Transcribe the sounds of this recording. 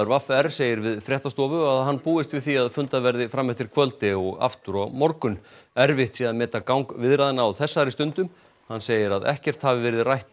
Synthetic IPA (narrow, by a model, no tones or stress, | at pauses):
ʏɾvafɛɾ̥seːjɪɾvɪðfɾjɛht̪ast̪ɔːvʏaðɦanːpuːɪst̪vɪðθiaðfʏnt̪avɛɾðɪfɾamːɛht̪ɪɾ̥kʰvœlt̪ɪɔɣa̰ft̪ʏɾɔɣmɔɾkʏn | ɛɾvɪht̪siːðaðmɛːt̪akawŋkvɪðɾaðɪnaːawθɛsːaɾɪst̪ʏnt̪ʏm | hanːseːjɪɾaðɛ̰hcɛr̥t̪havɪvɪɾɪðrajht̪